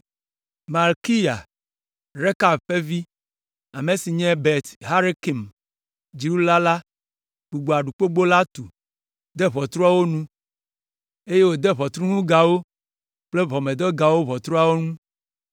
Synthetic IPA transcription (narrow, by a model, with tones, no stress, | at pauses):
ma˨lki˦ja˨ | ɾe˦ka˨bɸe˦vi˦ | a˨me˨si˨ɲɛ̃˦be˨t̪ɦa˦ɾe˦ki˨m | d͡ʒi˨ɾu˦la˦la˦ | ɡ͡bu˨ɡ͡bo˨a˨ɖu˨k͡po˦ɡ͡bo˦la˦t̪u˨ | d̪ɛ˦βɔ˨t̪ɾɔ˦a˦wo˦nũ˦ | e˦je˦wo˨d̪e˦βɔ˨t̪ɾũ˦ŋũ˦ɡa˨wo˦ | k͡ple˦vɔ˨mẽ˨d̪ɔ˦ɡa˨wo˦βɔ˨t̪ɾɔ˦a˦wo˦nũ˦